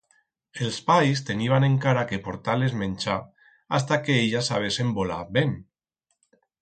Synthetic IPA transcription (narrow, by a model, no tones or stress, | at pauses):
elˠspajst̪eniβ̞aneŋkaɾakepoɾt̪alezmẽnʲt͡ʃa | as̬t̪akeeʎasaβ̞esembola̰ben